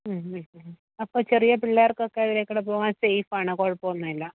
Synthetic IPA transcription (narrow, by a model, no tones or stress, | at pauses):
ɐpːoːt͡ɕerijɐpilɭːaːɐrkɨokːeɐðiɾekːuɽep̬oːʋaːnsejfaːɳɨkoːɻpːoːnːɐilːɐ